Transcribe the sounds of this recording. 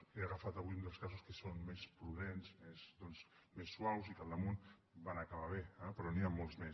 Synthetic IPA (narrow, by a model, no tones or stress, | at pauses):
eaɣafat̪əβuund̪elˠskazuskesonmespɾuðenzmezðɔnzmesːwawzikalˠd̪əmunbanakaβaβeɛpɾɔniamːolˠzmes